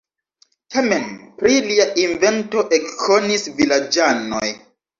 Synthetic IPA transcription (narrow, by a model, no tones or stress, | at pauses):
tamenpɾiliaʔinve̞nto̞ʔekkʰːo̞nisvilad͡ʒano̰j